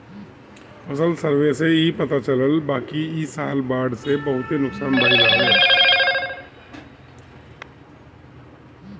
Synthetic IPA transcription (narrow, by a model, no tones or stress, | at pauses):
ɐsəlsəɾʋeseipɐt̪at͡ʃələlbaːkiɪsaːlbaːɖsebɐɦʊt̪ɦenʊksaːnbaːid͡ʒaːɦ